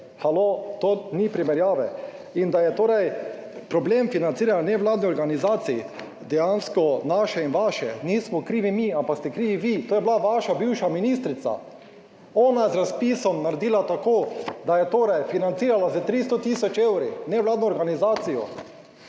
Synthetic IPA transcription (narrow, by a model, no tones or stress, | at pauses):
xalot̪oːnipɾimɛɾjaːʋɛ | ind̪ajɛt̪oːɾaj | pɾɔbleːmfinant̪siːɾananɛʋlaːd̪niɔɾɡanizaːt̪sii | d̪ɛjanskɔnaːʃɛinʋaʃɛniːsmɔkɾiːʋimiampakst̪ɛkɾiːʋiʋit̪oːjɛblaʋaʃabiwʃaminis̬t̪ɾit̪sa̰ | ɔːnaɛzɾaspiːsɔmnaɾed̪iːlat̪akoːd̪ajɛt̪oːɾajfinant̪siːɾalazɛt̪ɾis̬t̪ɔt̪isɔt͡ʃewɾinɛʋlaːd̪nɔːɾɡanizaːt̪sijɔ̰